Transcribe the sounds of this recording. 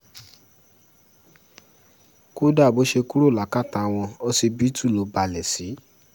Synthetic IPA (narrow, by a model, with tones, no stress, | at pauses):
ku˦da˦˨bo˨˦ʃe˧ku˦ɾo˦˨la˨ka˦˨ta˧w̃ɔ̃˧ɔ˧si˧bi˦tu˦˨lo˨˦ba˨lɛ˨si˨˦